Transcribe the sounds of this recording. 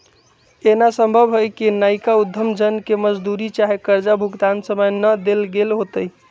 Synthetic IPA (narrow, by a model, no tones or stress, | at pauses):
enasəmbʱəbɦojkinajkaud̪ʱːəmd͡ʒənkeməd͡ʒd̪uɾit͡ʃaɦekəɾd͡ʒabʱuɡd̪ansəməjnəd̪elɡelɦot̪əj